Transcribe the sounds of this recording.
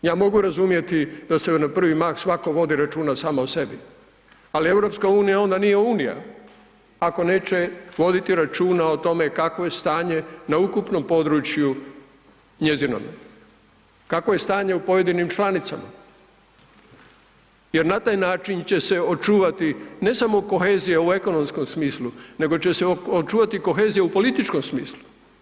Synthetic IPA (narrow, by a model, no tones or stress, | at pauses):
jaːmo̞ɡuɾazumje̞t̪id̪̥ase̞napr̩ʋimaxsʋako̞ʋo̞d̪iɾat͡ʃuːnasaːmaose̞bi | alie̞ʋɾo̞pskauːnijao̞nd̪anijeuːnija̰ | ako̞ne̞ːt͡ɕe̞ʋo̞d̪it̪iɾat͡ʃuːnaot̪o̞me̞kakʋo̞je̞st̪aːɲe̞naukupno̞mpo̞d̪ɾut͡ʃju | ɲe̞zino̰m | kakʋo̞je̞st̪aːɲe̞upo̞je̞d̪inimt͡ʃlanit̪sama̰ | je̞ɾnat̪aːjnaːt͡ʃint͡ɕe̞se̞ot͡ʃuːʋat̪ine̞samo̞ko̞xeːzijeue̞ko̞nomsko̞msmiːslune̞ɡo̞t͡ɕe̞seot͡ʃuːʋat̪iko̞xe̞ːzijeupo̞lit̪it͡ʃko̞msmiːslˠu̥